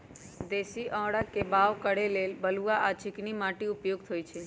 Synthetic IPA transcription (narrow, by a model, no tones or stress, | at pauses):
d̪esiʔɔ̃ɽakebaʋkəɽelelbəluaʔat͡ʃʰɪknimaʈiupjoɡ̚t̪ʰojt͡ʃʰe